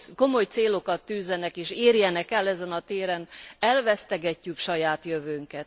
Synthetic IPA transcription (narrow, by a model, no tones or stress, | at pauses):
ko̞mo̞jt̪seːlo̞kɒt̪ːyːzːɛnɛkeːʃeːrjɛnɛkɛlːɛzɛnɒt̪eːɾɛnɛlvɛst̪ɛɡɛcːykʃɒjaːt̪jøvøːŋkɛt̪